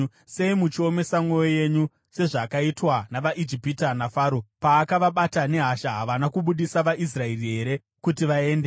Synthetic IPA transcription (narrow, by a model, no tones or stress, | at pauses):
se̞imut͡ʃio̞me̞samwo̞joje̞ɲu | se̞ʐakaitwanaʋaʔid͡ʒipitanafaːɾopaːkaʋaɓatane̞ɦaʃaɦaʋanakuɓuɗisaʋaʔis̬raeriɦe̞ɾe̞ | kutiʋae̞ːnde